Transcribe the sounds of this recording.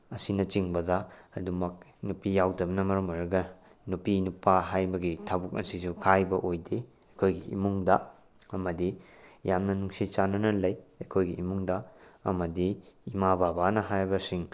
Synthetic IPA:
ɐsinɐt͡ʃiŋbɐdɐɐdumɐk̚nupijawdɐbɐnɐmɐɾɐmoɾɐɡɐ | nupinupaɦajbɐɡitʰabuk̚ɐsisukʰajbɐʔojde | ɐkʰojɡiḭmuŋdɐ | ɐmɐdi | jamnɐnuŋsit͡ʃanɐnɐlɐjɐkʰojɡiimuŋdɐɐ̰mɐdiimababanɐɦajɾbɐsiŋ

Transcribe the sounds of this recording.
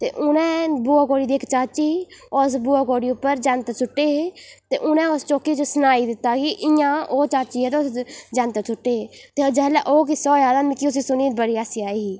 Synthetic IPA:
t̪ḛːʔʊnɛ̃ːbuːaːkoːɽiːd̪iːkt͡ʃaːt͡ʃiːos̬buːaːkoːɽiːʊpːəɾd͡ʒaːnt̪ːt͡ʃʊʈːeːɦet̪ḛːʔʊnɛ̃ːʊst͡ʃoːkiːt͡ʃsʊnaːiːd̪ɪt̪ːaːɡiʔɪjãːoːt͡ʃaːt͡ʃiːɛːt̪eʊsd͡ʒãnt̪et͡ʃʰʊʈːeːeːt̪ed͡ʒɛːlɛʔoːk̬isɔːjaːd̪ãːmɪkiʊs̬iːsʊniːbəɽiːaːsiaːiːɦiː

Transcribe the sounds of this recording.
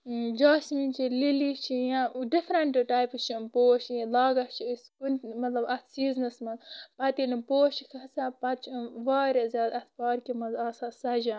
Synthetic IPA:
d͡ʒaːsmint͡ʃʰililit͡ʃʰijãɖifɾɐɳʈʈaːjpt͡ʃʰipoːʃlaːɡɐt͡ʃʰiiskunmɐt̪lɐbɐt̪siːznɐsmɐzpɐt̪inipoːʃikʰɐsapɐt͡ʃʰʋaːɾɐzʲjaːd̪ɐt̪paːɾkimɐzasasɐd͡ʒa

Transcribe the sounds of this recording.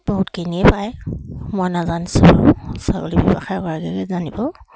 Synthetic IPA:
b̥ɔɦutkeniɛpajmɔjnazanisabɔ̰saɡɔlibibaxajkɔɹaɡɛɡɛzanibɔ

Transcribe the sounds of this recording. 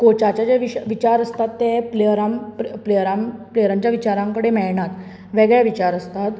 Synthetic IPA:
kot͡ɕat͡ɕjad͡ʑeʋiɕʋit͡ɕaɾəst̪at̪ːepleɾamppleɾampleɾaɲt͡ɕjaʋit͡ɕaɾãŋkəɽemɛɭɳat̪ | ʋɛɡɭaʋit͡ɕaɾəst̪at̪

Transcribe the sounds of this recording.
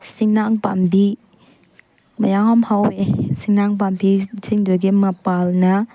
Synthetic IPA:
siŋnaŋpa̰mbi | mɐjaŋamhawesiŋnaŋpambʰisiŋdoɡimɐpalnɐ

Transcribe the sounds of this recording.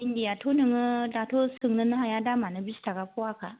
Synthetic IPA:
indijatʰonɯŋɯdatʰosɯŋnɯnɯɦajadamanɯbistʰaɡapʰɔwakʰa

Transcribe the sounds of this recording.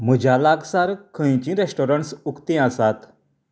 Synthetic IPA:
m̤əd͡ʑʱalaɡsaɾkʰə̃ĩt͡ɕĩɾesʈoɾəɳʈsukt̪ĩasat̪

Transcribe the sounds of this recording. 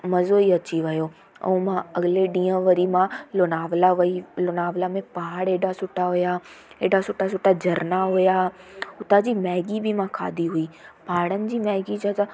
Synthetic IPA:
mɐzoiɐt͡ɕiʋɐjo | ɛ̰̃mãɐɡɪleɖĩːə̃ʋɐɾimãlonaːʋlaʋilonaːʋlamẽpaɦəɽeːɖasʊʈʰaɦʊjaeːɖasʊʈasʊʈad͡ʑɐɾnaɦʊjaʊt̪ad͡ʑiːmɛːɡibɪmãkʰa̰ːd̪iɦʊiːpaːɽənɪ̆d͡ʑiːmɛːɡid͡ʑat̪a

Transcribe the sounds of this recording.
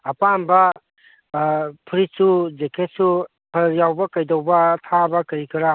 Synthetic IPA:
ɐpanbɐ | pʰɾisud͡ʒekʰet̚su | pʰɐɾjawbɐkajdɐwbɐtʰabɐkɐɾikiɾa

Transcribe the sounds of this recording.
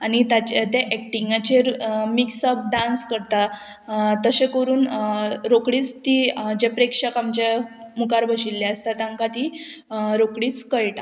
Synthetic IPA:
anit̪at͡ɕat̪eʔɛk̚ʈiŋɡat͡ɕemiksəb̚ɖãnskəɾt̪a | t̪əsẽkəɾuːnɾokɽiːt͡st̪id͡ʑepɾekʂəkamt͡ɕe | mukaɾbəɕilːeəst̪at̪ãŋkat̪i | ɾokɽiːt͡skəɭʈa

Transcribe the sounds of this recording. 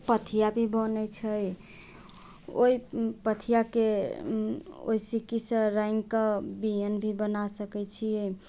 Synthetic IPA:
pət̪ʰijabʱibənɛt͡ʃʰəj | o̰ipət̪ʰijake | o̰isikisə̃ɾajŋɡkəbijənbʱibənasəkɛt͡ʃʰijɛ

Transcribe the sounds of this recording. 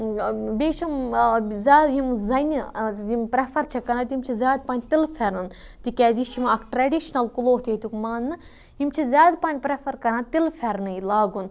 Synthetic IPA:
beːʃʰumzʲaːd̪ɦimzɐnʲiimpɾefʰɐɾt͡ʃʰɐkɐnat̪ʲimt͡ʃʰizʲaːd̪panʲt̪ilfʰeɾɨnt̪ikʲɛːzit͡ʃʰimɐkʈɾɐɖʲiʃnɐlkuloːt̪ʰʲeːt̪ʲukmaːnːɨ | ɦimt͡ʃʰizʲaːd̪panʲpɾefʰɐɾkɐɾaːnt̪ilfʰʲeɾnɨilaːɡun

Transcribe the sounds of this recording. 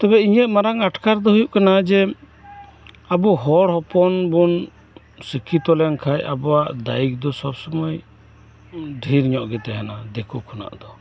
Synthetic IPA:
t̪ɛbɛiɲɛt̪̚maɾaŋaʈkaɾd̪ɔɦujuʔkanad͡ʒɛ | abuɦɔɽhɔpɔnbun | sikʰit̪ɔlɛnkʰajabɔwaʔd̪aik̚d̪ɔsɔbsɔmɔj | ɖʱiɾɲɔʔɡɛt̪ɛɦanad̪ɛkukʰɔna̰ʔd̪ɔ

